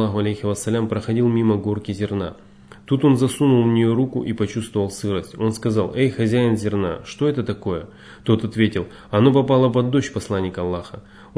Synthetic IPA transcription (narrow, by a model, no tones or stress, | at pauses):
aɦʊɐlʲejxɪvɐsːɐlʲampɾəxɐdʲilˠmʲiməɡo̞rkʲɪzʲɪrna̰ | t̪ut̪o̞nzɐsunʊlˠmnʲɪjo̞ɾukʊ̰ʔipɐt͡ɕust̪vəvəlˠsɨɾəsʲtʲo̞nskɐzɑlˠejxɐzʲæɪnzʲɪrna̰ʂt̪o̞ɛt̪ət̪ɐko̞jə | t̪o̞t̪ɐt̪vʲetʲɪlˠ | ɐno̞pɐpalˠəpɐd̪ːo̞ɕpɐslˠanʲːɪkɐlˠːaxə